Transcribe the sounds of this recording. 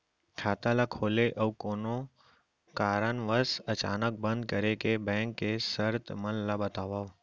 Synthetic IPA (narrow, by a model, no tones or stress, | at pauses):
kʰaːt̪alakʰoːleʔəwkoːno | kaːɾənʋəsət͡ʃaːnək̚bə̃nd̪̚kəɾekebɛ̃ːŋkːesəɾt̪mənlabət̪aːʋaːʋ